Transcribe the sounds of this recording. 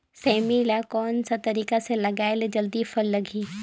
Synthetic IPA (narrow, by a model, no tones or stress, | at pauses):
sɛːmilakɔːnsat̪ɐɾiːkaselɐɡaːɪld͡ʒɐld̪ifʰɐlːɐɡʱiː